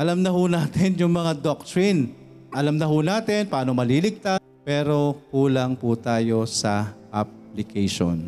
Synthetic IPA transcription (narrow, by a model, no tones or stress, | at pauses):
ʔɐlɐmnɐhunaːt̪ɛnjʊŋmɐŋad̪ok̚t̪ɹin | ʔɐlɐmnɐɦunaːt̪ɪnpɐaːnomɐlilɪɡ̚t̪a | pɛːɾo̞kuːlɐŋput̪aːjo̞sɐʔɐp̚lɪkʰɛjʃo̰n